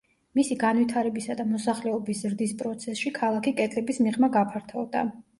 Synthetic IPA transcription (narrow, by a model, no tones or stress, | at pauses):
misiɡanvit̪ʰaɾɛbisad̪amɔsaχlɛɔbiszɾd̪ispʼɾɔt̪sʰɛsʃikʰalˠakʰikʼɛt̪ʼlɛbismiʁmaɡapʰaɾt̪ʰavd̪a̰